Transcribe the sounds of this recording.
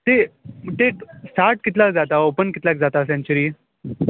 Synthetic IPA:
t̪eʈ̪eʈsaɾʈkɪt̪lakd͡zat̪aopənkɪt̪lakd͡zat̪asɛ̃ɲt͡ɕəɾiː

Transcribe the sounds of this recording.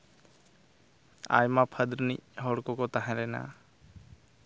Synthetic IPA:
a̰jmapʰəd̪ɾnicɦɔɽkɔkɔt̪aɦɛ̃ɾɛna̰

